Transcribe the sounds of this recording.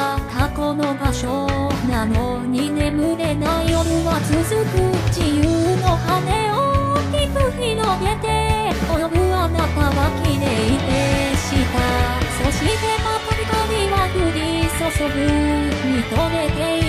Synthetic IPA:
k̪ʰakono̞baɕonano | ɲ̟ine̞mɯ̟ɾe̞naijoɾɯβat͡sɨzɨkɯd͡ʑijɯno̞haneokʲipɯçinome̞t̪e̞ | ojoɾɯanakaβakʲiɾeit̪eɕit̪asoɕit̪ekapoɾik̪aɾiβanɯ̟ɾisoɕobɯɲit̪oɾet̪e

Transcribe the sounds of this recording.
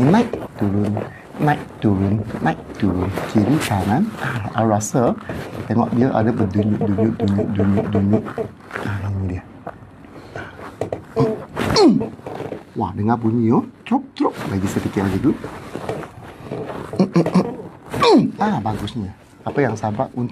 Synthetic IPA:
inajʔt̪uɾʊnː | aʔt̪uɾʊnːãjʔt̪uɾʊnkʰiɾikananaʔaɾasət̪ɛŋɔ̰ʔdiəʔa̰dəbəduɲuʔduɲʊʔduɲʊʔduɲuʔ̚duɲʊʔ | aiɲdiə | a | wadəŋapuɲiot̪ɾuk̚t̪ɾʊʔ̚laɡisətikɛaɡidu | abaɡʊsɲa | apəjaŋsabaʔunt̪

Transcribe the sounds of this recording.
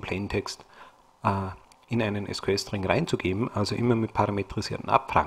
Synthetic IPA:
pʰl̥eɪntʰɛkst | ʔː | ʔɪnaɪnənʔɛ̰skʰwɛstʁɪŋʁaɪnt͡suɡeːbm̩ʔalzoʔɪmɐmɪt̚pʰaʁametʁ̥iz̥iːɐtn̩ʔa̰pfʁa̰ŋ

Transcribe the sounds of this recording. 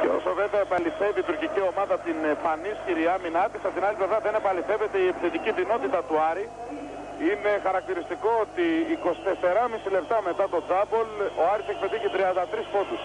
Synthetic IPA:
ceo̞̰sove̞veɐepɐliθe̞viːt̪uɾcicio̞mɐðɐt̪inpɐnisçiɾiɐminɐt̪isɐt̪inɐliplevɾɐðe̞ne̞pɐliθe̞ve̞t̪e̞iepiθet̪iciðino̞t̪it̪ɐt̪uɐɾi | ine̞xɐɾɐk̚t̪iɾist̪iko̞ot̪iːko̞st̪e̞se̞ɾɐmisile̞p̚t̪ɐme̞t̪ɐt̪o̞d͡zɐbo̞lo̞ɐɾisek̚pe̞t̪içit̪ɾiɐnd̪ɐt̪ɾispo̞t̪us

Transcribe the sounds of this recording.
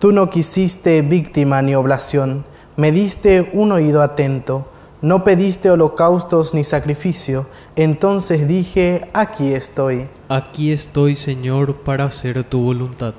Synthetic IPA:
t̪uno̞kisist̪eβikt̪imanio̞βlasjo̞n | me̞ðist̪e̞uno̞iðoat̪e̞nt̪o | no̞pe̞ðist̪eolo̞kawst̪oznisakɾifisjo | ent̪o̞nse̞zðixe̞akiest̪o̞j | akiest̪ojseɲoɾpaɾaseɾt̪uβolunt̪að

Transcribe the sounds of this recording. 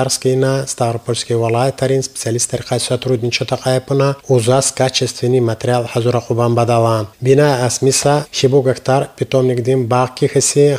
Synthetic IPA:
aɾskinast̪aɾpʰolʲskʲivalˠat̪ʰaɾinspe̥t͡s̪ialist̪aɾqʰasat̪ʰɾud̪nʲint͡ʃʰɔt̪ʰaqʰʼajpʰɨnauzaskʰat͡ʃʰest̪venimat̪ʰeɾʲialħazuɾaqʰʼubambad̪avanbinaasmisaʃibuɡakʰt̪ʰaɾpʰit̪ɔmnʲikd̪imbaʁkʲʰixəsi

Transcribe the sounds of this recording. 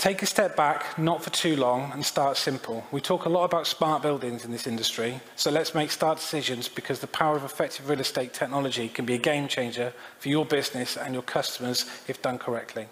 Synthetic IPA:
tʰeɪkəstɛp̚b̥aknətfətʰʉːlɔ̃ŋə̃nstɑˑtsɪ̃mpʰəlˠwitʰɔˑkəlɔtəbaʊtsmɑˑʔb̥ɪlˠdɪ̃ŋzɪ̃nðɪsɪ̃ndəstɹ̥i | səʊlətsmeɪkstɑˑʔd̥ɪ̥sɪʒə̃nzbɪkʰɒzðəpʰaʊəɹəvɪfɛk̚tʰɪvɹɪːlˠɪsteɪtʰɛk̚nɒləd͡ʒikʰə̃nbiəɡẽɪ̃mt͡ʃʰẽɪ̃nd͡ʒəfəjəbɪznɪsə̃njəkʰʌstəməz̥ɪfd̥ʌ̃nkʰəɹɛk̚tʰli

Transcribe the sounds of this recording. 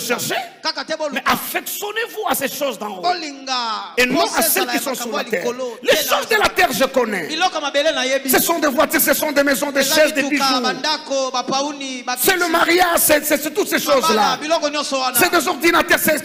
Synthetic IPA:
ʃɛʁʃekakatmɛʔafɛksjɔnevuaseʃozd̪ɑ̃ooliŋɡaenɔ̃asɛlkisɔ̃syʁlalt̪ɛ̰ʁlɛʃozd̪əlat̪ɛʁʒəkɔnɛbilɔkɔmabelenajebisɛsɔ̃d̪evwat̪iʁsɛsɔ̃d̪emɛzɔ̃d̪eʃɛzd̪ebiʒuandakobapaunisɛləmaʁjaʒsɛsɛsɛt̪ut̪seʃozlabilɔkɔnjɔ̃sɔwansɛd̪ezɔʁd̪inat̪ɛʁsɛ

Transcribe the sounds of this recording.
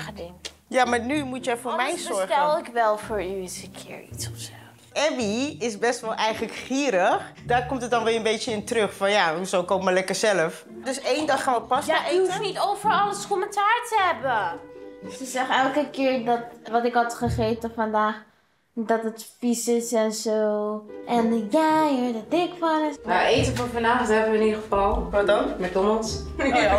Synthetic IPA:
ədɪŋ | jamaːɹnymutjəfʊːɹmɛjzɔɹtɛlˠɪkʋɛlˠfʊːɹyɪsəkʰṵɹḭtsɔfso | ʔɛbiɪsbɛstʋɛlˠʔɛjχələkχiːɾəχdaːɹkɔmtət̚dɑnʋɪːənbejəɪntrøχfɑnjaɦuzowkowpmaɹlɛkəɹzɛləf | døsejndɑχaːnʋəpɑsjaeufnitowfəɹɑləskɔməntaːɹtəɦɛbə | səzɛχɛlˠkəkɪːɹdɔtʋɔtɪkɦɑtχəχeːtəfɔndaːχ | dɔtətfisɪsɛnsoʔɛnjajədədɪkfanəmaetəfəfɑndaːxsɛvəɪnidχəfɑlˠɔɔmɛt̚doməlˠs

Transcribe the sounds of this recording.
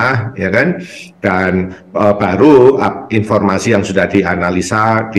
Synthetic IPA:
hjakand̥an | əb̥aɾuainfɔrmasijaŋsudahd̥ianalisad̥i

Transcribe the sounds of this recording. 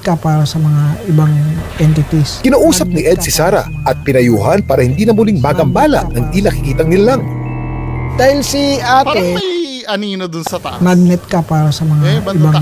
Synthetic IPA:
kɐpaːɾɐsɐmɐŋaɪbaŋʔɛnt̪ɪt̪iskɪnaːʔuːsɐp̚nɪʔɛd̪̚sɪsaːɾɐ̰ | ʔɐt̪̚pɪnɐjuːhɐnpaːɾɐhɪnd̪iːnɐmʊliŋbaːɡɐmbaːlɐ̰ʔnɐŋinɐkɪkiːt̪ɐŋnɪlalaŋ | d̪̥aːhɪlsiʔaːt̪o | nɐd̪nɛt̪̚kɐpaːɾɐsɐmɐŋaɪba

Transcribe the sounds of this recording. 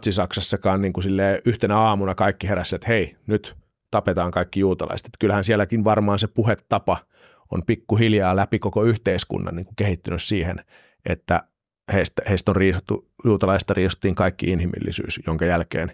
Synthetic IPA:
t̪sisɑksɑsːɑkɑːnniːŋkusilːeːʔyht̪enæɑːmunɑkɑikːiheɾæsːæet̪heinyt̪ | t̪ɑpet̪ɑːŋkɑikːijuːt̪ɑ̰lɑ̰ise̥t̪e̥t̪kylhænsielːˑækinʋɑrmɑːnsepuhet̪ːɑpɑ | o̰mpikːuhiljɑːlæpikokoyht̪eiskṵnːɑ̰nniːŋkukehit̪ːynyssiːhḛn | ʔḛt̪ːæ | heist̪æheist̪onriːsut̪ːujuːt̪ɑlɑist̪ɑriːso̥t̪ːiːŋkɑikːḭinhimḭlːḭsy̰ːsjoŋkɑjælkḛːn

